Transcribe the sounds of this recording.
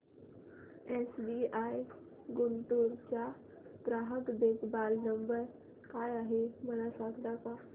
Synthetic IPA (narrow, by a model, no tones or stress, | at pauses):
esbiaj | ɡunʈ̪uɾt͡ɕja | t̪ɾaɦəkd̪ekbalnəmbəɾ | kajaɦeməlasakd̪aka